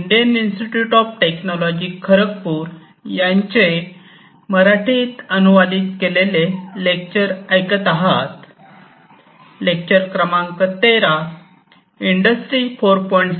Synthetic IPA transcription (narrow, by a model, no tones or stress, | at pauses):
iɳɖijəninsʈiʈjuʈɔfʈeknɔlɔd͡ʑikʰəɾək̚puːɾ | jãɲt͡ɕe | məɾaʈʰiːt̪ənuʋad̪iːt̪kelelelek̚t͡ɕəɾəjkət̪aɦat̪ | lek̚t͡ɕəɾkɾəmãŋkət̪ːeɾa | iɳɖəsʈɾifoɾpɔɳʈs